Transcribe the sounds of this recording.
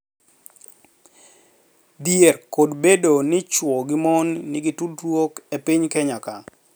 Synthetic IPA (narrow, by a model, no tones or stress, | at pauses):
djerkodbedonɪt͡ʃwɔɡɪmɔnːɪɡɪtudrwokepɪɲkɛɲaka